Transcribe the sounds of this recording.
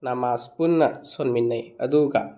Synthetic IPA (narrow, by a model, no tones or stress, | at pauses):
namaspunːɐsonminːɐjɐduɡɐ̰